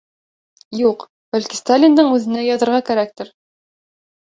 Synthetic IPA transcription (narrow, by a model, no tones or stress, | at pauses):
juq | b̥ælʲkist̪alʲɪnd̪ɤɴʉðɘ̆næjɒðɤ̆ɾʁɑkæɾæk̚t̪ɘɾ